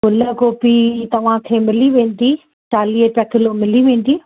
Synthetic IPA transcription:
kʊləkoːpit̪ɐʋ̤ãkʰeːmɪliʋẽːn̆d̪i | t͡ɕaːliəpɐkɪlomɪliʋẽːn̆d̪iː

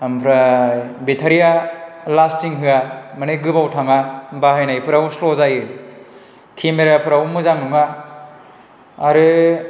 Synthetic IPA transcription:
ampʰɾabetʰaɾijalastiŋɦɯamanɯɡɯbawtʰaŋabahɯjnajpʰɯɾawuslɔzajɯ | kʰimeɾapʰɯɾawumɯzaŋnuŋa | ɾɯ

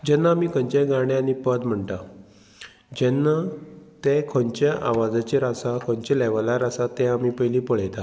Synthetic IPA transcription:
d͡ʑɛnːaːmiːkʰə̃ɲt͡ɕeɡaɽ̃jaanipəd̪m̤əɳʈ̪a | d͡ʑɛnːat̪ɛ̃kʰɔɲt͡ɕjaʔaʋad͡zat͡ɕeɾasakʰɔ̃ɲt͡ɕelɛʋəlaɾasat̪ɛ̃amiːpəjliːpəɭejt̪a

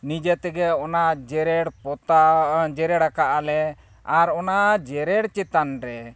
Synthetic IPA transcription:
nid͡ʒɛt̪ɛɡɛɔnaʔd͡ʒɛɾɛɽpɔt̪ad͡ʒɛɾɛɽakaʔalɛ | aɾɔnaʔd͡ʒɛɾɛɽt͡ʃɛt̪anɾɛ

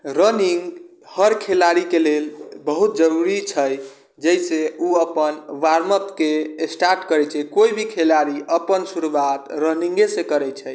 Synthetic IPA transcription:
ɾəniŋɡ | həɾkʰelaɾikelelbəɦut̪̚d͡ʒəɾuɾit͡ʃʰəj | d͡ʒɛjseuəpənʋaɾmət̪keesʈaɾʈkəɾɛt͡ʃʰɛkoibʱikʰelaɾiʔəpənsuɾuwat̪ɾəniŋɡesẽkəɾɛt͡ʃʰəj

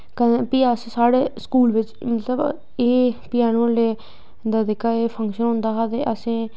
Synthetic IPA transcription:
kənpɪasẽsaːɽeːskuːlʋɪt͡ʃmət̪ləb | eːpɪjaːnõːleː | d̪aːd̪ekʰːaːeːpʰə̃ŋkʃənɦʊ̃nd̪aːɦaːd̪eːʔəsẽː

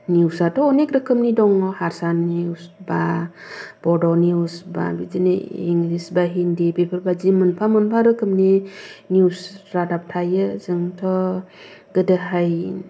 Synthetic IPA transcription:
niwsatʰɔːnekɾəkʰɯmnidɔŋɔhaɾsaniusba | bɔdɔniusba̰bid͡ʒinḛḭŋlisbaɦindibepʰɯɾbad͡ʒimɯnpʰamɯnpʰaɾɯkʰɯmneniwsɾadap̚tʰajɯzɯŋtʰɔ | ɡədəɦaj

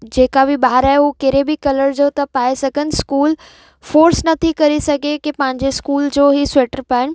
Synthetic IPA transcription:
d͡ʑeːkabɪɓaːɾaːɦeukeːɾebɪkɐləɾd͡ʑoːt̪ɐpaːesɐɡʱənɪ̆skuːl | foːɾsnɐt̪ʰikɐɾisɐɡʱekipɐ̃ɦɪ̃ɲd͡ʑeskuːld͡ʑoːɦisʊeːʈəɾpaːɪnɪ̆

